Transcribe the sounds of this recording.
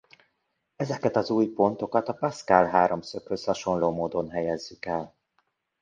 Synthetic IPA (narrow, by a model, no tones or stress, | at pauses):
ɛzɛkɛt̪ɒzuːjpo̞nt̪o̞kɒt̪ɒpɒskalɦaːɾo̞msøkhøshɒʃo̞nloːmoːd̪o̞nɦɛjɛzːykɛl